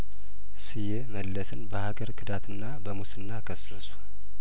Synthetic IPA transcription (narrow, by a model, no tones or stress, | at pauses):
sɨjɛməlːəsɨnbəhaɡəɾkʰɨd̪at̪ʰɨnːabəmusɨnːakʰəsːəsu̥